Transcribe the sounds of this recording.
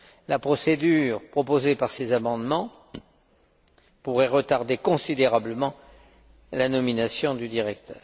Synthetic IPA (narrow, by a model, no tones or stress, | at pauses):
lapχɔsed̪yʁpχɔpozepaʁsezamɑ̃d̪mɑ̃ | puʁɛʁət̪aʁd̪ekɔ̃sid̪eʁabləmɑ̃ | lanɔminasjɔ̃d̪yd̪iʁɛkt̪ʰœ̰ːʁ